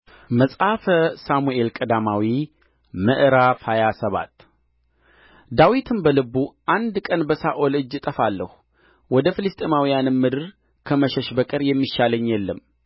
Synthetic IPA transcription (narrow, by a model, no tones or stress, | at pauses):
məsʼafəsamuʔe̞lkʼəd̪amawi | məʔɨɾafhajasəβa̰t̪ː | d̪awit̪ʰɨnbəlɨbuʔand̪kʼənbəsaʔolɨd͡ʒːɨt̪ʼəfalːəhu | wɔd̪əfɨlɨst̪ʼemawijanɨmːɨd̪ɨɾ | kʰəməʃəʃbəkʼɨɾjɛmːiʃaləɲːjɛlːəmː